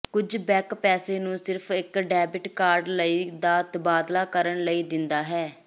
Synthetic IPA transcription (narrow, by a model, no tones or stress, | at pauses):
kʊd͡ʒbɛːkpɛːseːnũːsɪɾpʰɪkɖɛːbɪʈkaːɾɖləiːd̪aːt̪əbaːd̪laːkəɾəɳləiːd̪ɪnd̪aːɦɛː